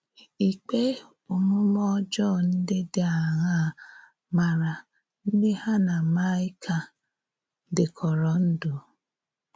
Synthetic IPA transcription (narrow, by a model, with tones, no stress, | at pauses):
i˨k͡pe˦ | o˨nũ˦lɔ˦d͡ʒɔ˦˨n̩˦de˦de˦a˨ɦa˦˨ | ma˨ɾa˨ | n̩˦de˦ha˦na˨ma˦i˦kʰa˨˦ | de˨kʰɔ˨ɾɔ˨˦n̩˦do˨